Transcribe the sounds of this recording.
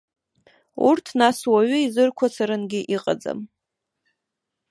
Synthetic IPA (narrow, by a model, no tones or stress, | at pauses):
urtʰnaswaɥʏizɨrkʷʰat͡sʰaɾɨnɡʲɪʔiqʼa̰d͡za̰m